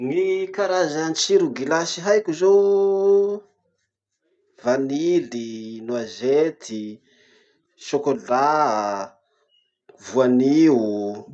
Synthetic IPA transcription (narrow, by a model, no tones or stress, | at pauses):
ŋikaɾazant͡ʃiɾuɡilasiɦajkʲuzo | vanilinuazet̪ʰi | ʃokola | vuaniu